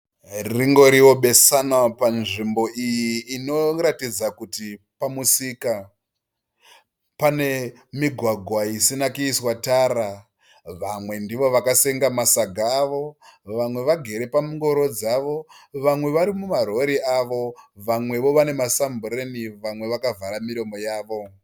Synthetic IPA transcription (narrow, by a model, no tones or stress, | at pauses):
riŋɡo̞ɾiwo̞ɓe̞sanapanʐimbo̞ʔijiːno̞ɾatid͡zakuti | pamusika | pane̞ | miɡʱwaɡʱwaisinakuiswataːɾa | ʋamwe̞ndiʋo̞ʋakase̞ŋɡamasaɡʱaːʋo̞ʋamwe̞ʋaɡʱe̞ɾe̞pamuŋɡo̞ɾo̞d͡zaʋo̞ʋamwe̞ʋaɾimumaɾo̞ɾiaʋo̞ʋamwe̞ʋo̞ʋane̞masambuɾeniʋamwe̞ʋakavaɾamiɾo̞mo̞jaːʋo̞